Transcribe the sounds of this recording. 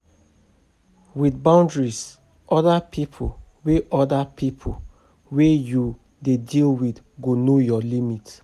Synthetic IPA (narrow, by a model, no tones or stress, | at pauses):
widbãndɹis | ʔɔdapʰipʰo | weʔɔdapʰipʰo | weju | dedilwid | ɡonojɔlimit